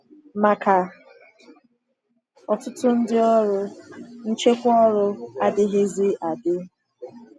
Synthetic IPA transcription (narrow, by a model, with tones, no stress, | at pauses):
ma˨ka˨ | ɔ˨tʊ˦tʊ˦n̩˦dɪ˦ɔ˦ɾʊ˦n̩˦t͡ʃe˦kʷɔ˦ɾʊ˦a˦dɪ˦ɦɪ˦zi˦ʔa˨dɪ˦